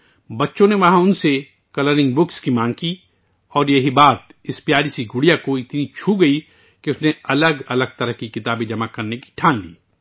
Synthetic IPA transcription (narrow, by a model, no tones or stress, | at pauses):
bɐtːʃõneʋɐɦãʊnse | kɐləɾɪ̃ŋɡbʊkskimãːŋɡ̚ki | ɔːɾjɐɦibaːt̪̚ɪspjaːɾisiɡʊɽijakoɪt̪nit͡ʃʰuɡɐi | keʊsneɐləɡɐləɡ̚t̪ɐɾəɦkikɪt̪aːbẽd͡ʒɐmakɐɾneki̥ʈʰãːnlḭː